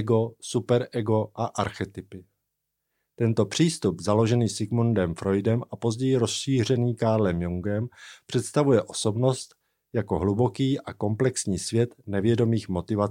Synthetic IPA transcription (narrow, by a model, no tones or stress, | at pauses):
ɛɡo̞supɛɾʔɛɡo̞ʔaʔaɾxɛt̪ɪpɪ | t̪ɛnt̪o̞pr̝̥iːst̪upzalo̞ʒɛniːsɪɡmundɛmfɾo̞jdɛmʔapo̞zɟɛjɪɾo̞sʃiːr̝ɛniːkaːɾlɛmjuŋɡɛmpr̥ɛt̪st̪avujɛʔo̞̥so̞bno̞st̪ | jako̞ɦlubo̞kiːʔako̞mplɛksɲiːsvjɛt̪nɛvjɛdo̞miːxmo̞t̪ɪva